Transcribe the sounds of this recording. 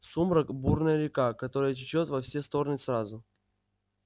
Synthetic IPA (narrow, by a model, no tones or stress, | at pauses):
sumɾəkburnəjəɾʲɪkakɐt̪o̞ɾəjət͡ɕɪt͡ɕot̪vɐfsʲest̪o̞ɾnɨsrazʊ